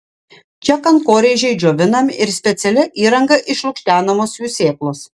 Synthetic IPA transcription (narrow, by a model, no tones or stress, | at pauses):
t͡ʃʲɛkɐnkoːɾʲeːʒʲɛɪd͡ʒoːʋʲɪnɐmʲɪɪɾsʲpʲɛt̪sʲɛlʲɪʔiːɾɐŋɡɐʔɪʃlˠʊkʃʲt̪ʲæːnɐmoːsjuːsʲeːklˠoːs